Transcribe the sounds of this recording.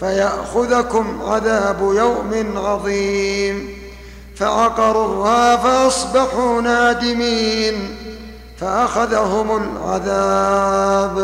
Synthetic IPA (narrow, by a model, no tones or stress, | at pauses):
fajaʔxʊðakʊmʕaðaːbjawmɪnʕɑðˤiːm | faʕɑqɑɾˤuːhaːfaʔɑsˤbɑħuːnaːd̪ɪmiːn | faʔaxaðɦʊmʊlʕa̰ða | b